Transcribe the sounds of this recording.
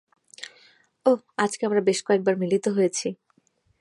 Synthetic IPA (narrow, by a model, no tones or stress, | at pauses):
o | ad͡ʑkeamɾabeʃkoek̚baɾmilit̪oɦojet͡ɕʰi